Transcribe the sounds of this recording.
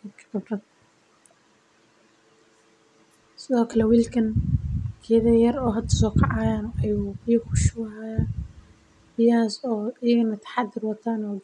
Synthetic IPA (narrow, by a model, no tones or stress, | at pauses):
ɪt̪kʰɐ̥ɡɐbrɐd̪ | sɪðɔːkʰɐlɛwiːlkʰɐnkʰɛːðɐjɐɾɔːɦɐd̪ʰɐsɔːkʰɑʕɑːjaːnɔʔɐjuijkʰʊʃʊwaːja | bɪjaːsɔːɪjɐɣɐnɐt̪ʰɐ̥ħɑd̪ɪrwɐt̪ʰaːnɔː